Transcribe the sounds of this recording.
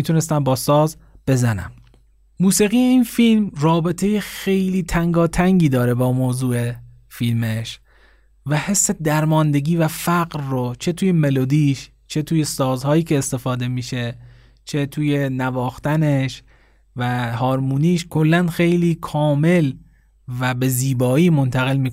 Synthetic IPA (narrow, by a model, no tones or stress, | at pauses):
mit̪ʰune̞st̪æmbɒːsɒːz | b̥e̞zænæ̰m | muːsiːɣiːjeiːnfilmrɒːbe̞t̪ʰe̞jexe̞jliːt̪ʰæŋɡɒːt̪ʰæŋɟiːd̪ɒːɾe̞bɒːmoːzuːe̞ | filmeʃ | væhe̞sːe̞d̪æɾmɒːnd̪e̞ɡiːvæfæɢɾːot͡ʃʰe̞t̪ʰuːjeme̞lod̪iːʃ | t͡ʃʰe̞t̪ʰuːje̞sɒːzhɒːjiːcʰe̞ːst̪e̞fɒːd̪e̞miːʃe̞ | t͡ʃʰe̞t̪ʰuːje̞nævɒːxt̪æneʃ | væɦɒːɾmuːniːʃkʰo̞lːænxe̞jliːkʰɒːme̞l | væbe̞ziːbɒːiːmo̞nt̪ʰæɣe̞lmiː